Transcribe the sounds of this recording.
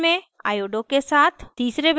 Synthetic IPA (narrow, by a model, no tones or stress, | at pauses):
mẽ | a̰ːjoːɖokesaːt̪ʰt̪iːsɾeb